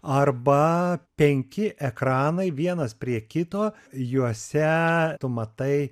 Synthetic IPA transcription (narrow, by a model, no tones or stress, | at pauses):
ɐrbɐpʲɛŋʲkʲɪʔɛkɾɑːnɐɪʋʲiɛnɐspʲɾʲiɛkʲɪt̪oː | juɔsʲɛt̪ʊmɐt̪ɐɪ